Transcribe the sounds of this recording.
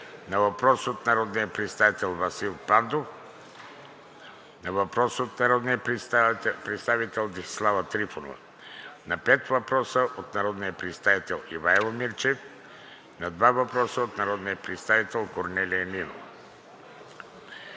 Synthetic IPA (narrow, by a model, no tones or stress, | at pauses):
nɐvɐpɾɔsot̪nɐɾɔd̪nijəpɾɛt̪st̪avit̪ɛlˠvɐsilˠpand̪of | nɐvɐpɾɔsot̪nɐɾɔd̪nijə | pɾɛt̪st̪avit̪ɛlˠd̪ixslˠavət̪ɾifono̰vɐ̰ | nɐpɛt̪vɐpɾɔsəʔot̪nɐɾɔd̪nijəpɾɛt̪st̪avit̪ɛlˠivaɛlˠmiɾt͡ʃɛf | nɐd̪vavɐpɾɔsəot̪nɐɾɔd̪nijəpɾɛt̪st̪avit̪ɛlˠkoɾnɛliɛnino̰v